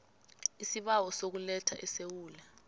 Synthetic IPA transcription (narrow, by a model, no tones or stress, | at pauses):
isiɓawɔsok̬ulɛtʰa̰ʔɛsewuːla